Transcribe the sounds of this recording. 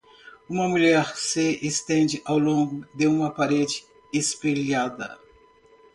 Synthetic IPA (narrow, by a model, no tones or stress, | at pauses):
ũmɐmuʎɛɾseːst̪ẽnd͡ʒɪʔawlõŋɡʊd̪eũmɐpaɾed͡ʒɪ | espeʎad̪ɐ̰